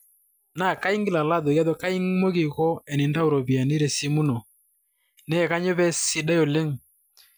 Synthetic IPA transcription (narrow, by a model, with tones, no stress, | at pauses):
na˨ka˦i˦ŋɡi˦la˨la˦ðɔ˨ja˦ðɔ˦ka˦i˦ŋ˦mo˦ɣi˨ɣɔ˦ɛ˨ni˨nda˦u˨ɾɔ˨βi˨a˨ne˦ɾɛ˨si˦mu˦nɔ˨ | nɛ˦ɛ˨ka˦ɲo˦βɛ˦si˦da˦jo˨le˦ŋ˨